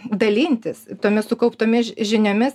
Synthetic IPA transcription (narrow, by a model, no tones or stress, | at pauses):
d̪ɐlʲiːnʲt̪ʲɪst̪oːmʲɪssʊkɐʊpt̪oːmʲɪʒʲɪnʲoːmʲɪs